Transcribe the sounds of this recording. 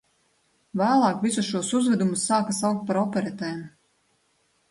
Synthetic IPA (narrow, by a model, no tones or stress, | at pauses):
væːlˠɑːkvʲisusʃuɔsuzvɛd̪umusːaːkasawk̚t̪̚paɾɔpʲɛɾɛt̪ɛjm